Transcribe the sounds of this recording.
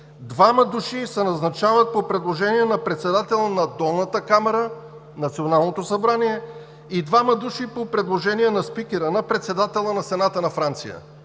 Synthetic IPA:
d̪vamɐd̪uʃisɛnɐznɐt͡ʃavət̪̚popɾɛd̪lˠoʒɛniɛnɐpɾɛt̪sɛd̪at̪ɛlˠənɐd̪ɔlˠnət̪əkamɛɾə | nɐt̪sionalˠnot̪osɐbɾaniɛ | id̪vamɐd̪uʃipopɾɛd̪lˠoʒɛnijɛnɐspikʲɛɾənɐpɾɛt̪sɛd̪at̪ɛlˠənɐsɛnat̪ənɐfɾant̪sijə̰

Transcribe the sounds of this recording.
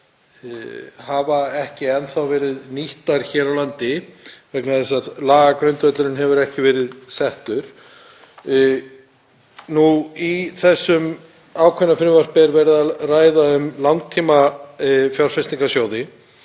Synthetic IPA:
havaɛhcɪɛnθawvɛːɾɪðniht̪aɾ̥çɛːɾawlant̪ɪvɛknaðθɛs̬aðlaːɣakɾœɥnt̪œt̪lʏɾɪnɦɛvʏɾɛhcɪvɛːɾɪðsɛht̪ʏɾ̥ | nuiθɛsːʏm | aːwkʰɛnːafɪnːɪvar̥pɛɾvɛɾɪðaraːjðaʏmlant̪ʰːiːma | fjawɾ̥fɛst̪iŋkasjoːwðɪ

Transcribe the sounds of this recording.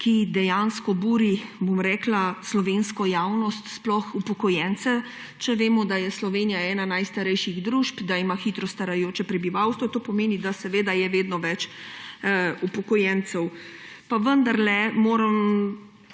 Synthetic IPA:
kid̪ɛjanskɔbuːɾibomɾɛːklaslɔʋenskɔjaːwnɔst̪splɔxupɔkɔjɛnt̪sɛ | t͡ʃɛʋeːmɔd̪ajɛslɔʋeːnijaɛːnanajst̪aɾɛjʃiɣd̪ɾuːʃpd̪aimaxiːt̪ɾɔst̪aɾajoːt͡ʃɛpɾɛbiʋawst̪ʋɔt̪oːpɔmeːnid̪asɛʋeːd̪ajɛʋeːd̪nɔʋɛt͡ʃ | upɔkɔjɛnt̪sɛw | paʋənd̪aɾlɛmoːɾəm

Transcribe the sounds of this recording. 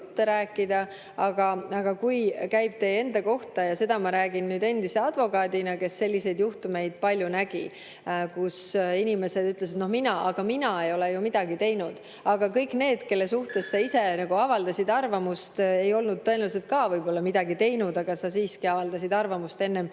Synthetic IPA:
t̪ːe̞ɾæːkːˑid̪̥ɑ | ɑɡ̥ɑɑɡ̥ɑkujkæjb̥̚t̪e̞e̞nd̪̥ɑko̞ht̪ɑjɑse̞d̪̥ɑmɑɾæːɡ̥innyːd̪e̞nd̪ise̞ɑd̪̥vo̞kɑːd̪inɑke̞sːe̞lʲːise̞jd̪juht̪ume̞jd̪̥̚pɑlʲjunæɡ̥ḭ | kusinʲime̞se̞d̪yt̪les̬it̪no̞hminɑʔɑɡ̥ɑminɑe̞jo̞lejumid̪̥ɑɡit̪e̞jnud̪̥ | ɑɡ̥ɑkɤjkne̞ːd̪̥ke̞lːesuht̪e̞ssɑise̞nɑɡuɑvɑld̪̥ɑsʲid̪ɑrvɑmust̪e̞jo̞lnud̪̥̚t̪ːɤ̞enels̬et̪̚kɑːvɤjbo̞lːɑmid̪̥ɑɡit̪e̞jnud̪̥ɑɡ̥ɑsɑs̬iːskiɑvɑld̪̥ɑs̬ʲid̪ɑrvɑmust̪e̞nːe̞m

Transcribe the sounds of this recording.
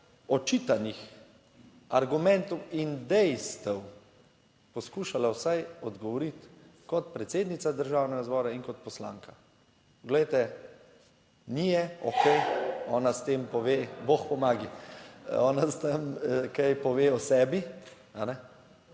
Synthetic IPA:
ɔt͡ʃiːt̪anix | aɾɡumɛnt̪ɔwind̪ɛjst̪ɛw | pɔskuːʃalawsajɔd̪ɡɔʋɔɾit̪kɔt̪pɾɛt̪seːd̪nit̪sad̪əɾʒaːwnɛɡazbɔːɾaiŋkɔt̪̚pɔsla̰ːŋkḁ | pɔɡlɛjt̪ɛ | nijɛɔkɛjɔːnast̪empɔʋeːboxpɔmaːɡi | ɔːnast̪əmkajpɔʋeːɔsɛːbi | anɛ

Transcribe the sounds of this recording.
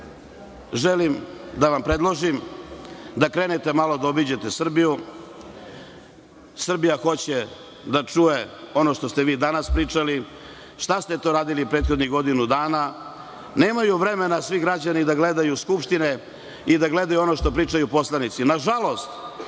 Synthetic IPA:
ʒelimd̪aʋampɾed̪lˠoʒim | d̪akɾe̞ːnet̪e̞malo̞d̪aobid͡ʑe̞t̪e̞sr̩biju | sr̩bijaxo̞t͡ɕe | d̪at͡ʂuje̞o̞no̞ʃt̪o̞st̪e̞ʋiːd̪anaspɾiːt͡ʂali | ʃt̪ast̪e̞t̪o̞ːɾaːd̪ilipɾe̞ːt̪xo̞d̪niɣɡo̞d̪inud̪aːna | ne̞ːmajuʋɾe̞me̞nasʋiɡɾad͡ʑanid̪aɡle̞d̪ajuskupʃt̪ine̞ | id̪aɡle̞d̪ajuo̞no̞ʃt̪o̞pɾiːt͡ʂajupo̞slˠanit̪sinaʒalˠo̞st̪

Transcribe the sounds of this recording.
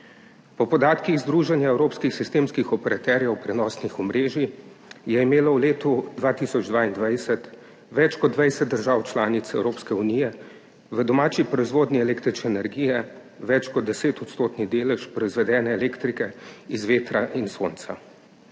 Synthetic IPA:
pɔpɔd̪aːt̪kiɣzd̪ɾuːʒanjaɛwɾoːpskixsist̪eːmskixɔpɛɾat̪ɛːɾjɛwpɾɛnɔːsnixɔmɾeːʒi | jɛimeːlɔwleːt̪ud̪ʋaːt̪isɔd͡ʒd̪ʋaːind̪ʋajsɛt̪ | ʋɛt͡ʃkɔd̪ʋɛjsɛd̪̚d̪əɾʒaːwt͡ʃlaːnit̪sɛwɾoːpskɛunijɛ | ʋəd̪ɔmaːt͡ʃipɾɔizʋoːd̪niɛlekt̪ɾit͡ʃnɛːnɛɾɡijɛ | ʋɛt͡ʃkɔd̪̚ːɛseːt̪ɔt̪st̪oːt̪nid̪eːlɛʃpɾɔizʋɛd̪ɛːnɛːleːkt̪ɾikɛizʋeːt̪ɾaʔinso̰ːnt̪sa̰

